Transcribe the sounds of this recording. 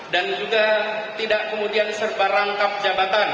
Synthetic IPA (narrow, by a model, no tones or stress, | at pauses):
dand͡ʒuɡat̪idaʔkəmudiansərbaɾaŋkap̚d͡ʒabat̪an